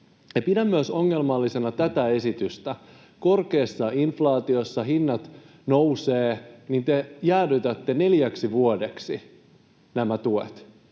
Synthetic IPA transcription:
epidæmːyæso̞ŋːe̞lmɑlːise̞nɑt̪æt̪æe̞sit̪yst̪æ | ko̞rke̞ːsːɑinflɑːt̪io̞sːɑɦinːɑt̪ | nowseːnint̪e̞jæːdyt̪æt̪ːe̞ne̞ljæksiʋuodeksi | næmæt̪uḛt̪

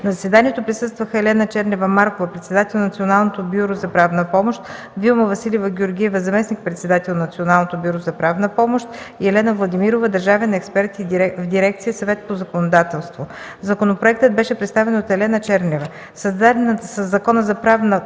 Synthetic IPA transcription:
nɐzɐsvɛd̪aniɛt̪opɾisɤst̪vəxəɛlɛnət͡ʃɛɾnʲɛvəmaɾkovəpɾɛt̪sɛd̪at̪ɛlˠnɐt̪sionalˠnot̪obʲjuɾozɐpɾavnəpɔmoʃt̪ | vilˠmɐvɐsilʲivəɡʲioɾɡʲiɛvəzɐmɛsnik̚pɾɛt̪sɛd̪at̪ɛlˠnɐt̪sionalˠnot̪obʲjuɾozɐpɾavnəpɔmoʃt̪ | iɛlɛnəvlˠɐd̪imiɾovəd̪ɐɾʒavɛnɛkspɛɾt̪ivd̪iɾɛk̚t̪sijəsɐvɛt̪pozɐkonod̪at̪ɛlˠst̪vo | zɐkonopɾoɛk̚t̪əd̪̚bɛʃɛpɾɛt̪st̪avɛnot̪ɛlɛnət͡ʃɛɾnʲɛvə | sɐzd̪ansəzːɐkɔnəzɐpɾavnə

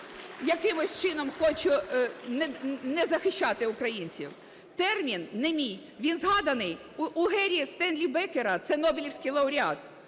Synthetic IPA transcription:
jɐkɪmʊsʲt͡ʃɪnɔmxɔt͡ʃʊnɛnɛzɐxɪʃʲt͡ʃːɑt̪ɪʊkɾɐjinʲt͡sʲḭw | t̪ɛrmʲinːɛmʲij | ʋʲinzɦɑd̪ɐnɪj | uʊɦɛɾʲiist̪ɛnlʲibɛkeɾɐt̪sɛnɔbʲɪlʲiwsʲkɪjlˠɐʊɾʲɑt̪̚

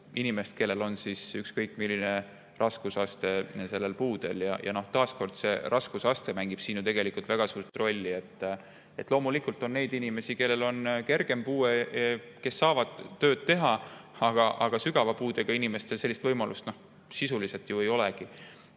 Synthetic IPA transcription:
inime̞st̪̚ke̞lːe̞lo̞nsisykskɤjkːˑmilːine̞ | rʔɑskusɑst̪e̞se̞lːe̞lpuːd̪e̞̰ljɑjɑ̰no̞ht̪ɑːsko̞rd̪̥se̞ɾʔɑskusɑst̪e̞mæŋɡ̥ib̥siːnut̪e̞ɡ̥e̞likult̪væɡ̥ɑsuːrt̪ˑro̞lʲːie̞t̪ː | e̞t̪ˑlo̞ːmulikult̪ˑo̞nːe̞jd̪inime̞sike̞lːe̞lo̞nke̞rɡ̥e̞mpuːe | ke̞sːɑːvɑd̪̥ø̞ːd̪̥̚t̪e̞ɦɑɑɡ̥ɑʔɑɡ̥ɑsyɡ̥ɑvɑpuːd̪e̞ɡ̥ɑinime̞st̪e̞lse̞lːist̪vɤjmɑlʔust̪no̞h | sisulise̞lt̪jue̞jo̞leɡ̥i

